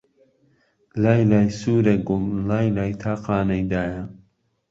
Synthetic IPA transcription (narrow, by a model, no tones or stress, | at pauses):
laːjlaːjsuːɾɐɡʊmlaːjlaːjt̪ʰaːqaːnɐjd̪aːja